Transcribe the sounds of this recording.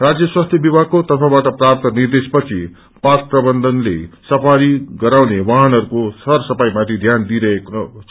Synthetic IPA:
rad͡zjʌswast̪ʰjʌbibʱakot̪ʌpʰãbaʈʌprap̚t̪ʌnird̪espʌt͡sʰi | pat̪prʌbʌnd̪ʌnlesʌpʰaɾiɡʌɾawnewaɦanʌɾukosʌrsʌpajmãt̪ʰid̪ʱjand̪iɾʌekʰ

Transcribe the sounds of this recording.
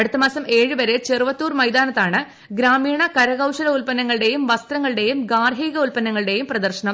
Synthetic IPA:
ɐɽut̪ːɐmaːsɐme̞ːɻɨʋɐɾet͡ɕerʋɐt̪ːuːrmɐjd̪aːnɐt̪ːaːɳɨ | ɡɾaːmiːɳɐkɐɾɐɣɐwʂɐlɐulpɐnːɐŋːɐɭɨɽe̞jumʋɐst̪rɐŋːɐɭɨɽe̞jumɡaːrɦiːɣɐulpɐnːɐŋːɐɭɨɽe̞jumprɐd̪ɐrɕɐɳɐm

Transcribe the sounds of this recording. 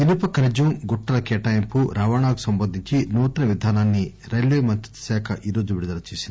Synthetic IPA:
inupɐkɐɾɐd͡ʒumɡuʈːɐlɐkeːʈɐjmpuɾʔaːʋaːɳaːku̥sɐmbɐnd̪ʱiɲt͡ʃinuːt̪ɐnɐʋid̪ʱaːnaːnːi | ɾɐjlʋeːmɐnt̪ɾit̪ɐ̥sɛːkʰɐʔiːɾo̞ːd͡ʒuʋiɽud̪ɐlɐt͡ʃeːsind̪i

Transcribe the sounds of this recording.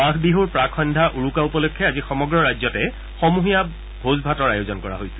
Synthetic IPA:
akʰbiɦuɹpɹakʰɔndʱaʔuɹukaupɔlokʰːjɛazixɔmɔɡɹɔɹajzɔtɛ | xɔmuɦija | bʱozbʱatɔɹajozɔnkɔɹa̰ɦojsɛ

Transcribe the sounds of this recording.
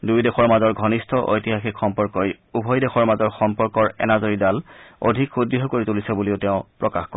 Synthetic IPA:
dujdexɔɹmazɔɹɡʱɔnistʰɔʔo̰jtiɦaxikxɔmpɔɹkɔj | ubʱɔjdexɔɹmazɔɹxɔmpɔɹkɔɹɛ̰nazoɹidalo̰dʱikxudːiɦɔkoɹitulisɛbulioʊteʊ̃pɹɔkaxkɔɹ

